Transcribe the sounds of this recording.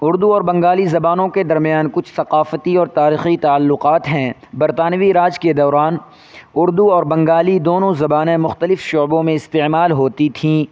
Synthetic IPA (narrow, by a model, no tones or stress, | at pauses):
ʊɾd̪uɔːɾbɐ̃ŋɡaːlizɐbaːnõked̪ɐɾmijaːnkʊt͡ʃʰsɐqaːfət̪iɔːɾt̪aːɾiːxit̪aːəlːʊqaːt̪ɦɛ̃ | bɐɾt̪aːnʋiɾaːd͡ʒked̪ɐːɾaːn | ʊɾd̪uɔːɾbɐ̃ŋɡaːlid̪oːnõzɐbaːnẽmʊxt̪əlɪfʃoːbõmẽɪst̪eːmaːlɦoːt̪it̪ʰĩː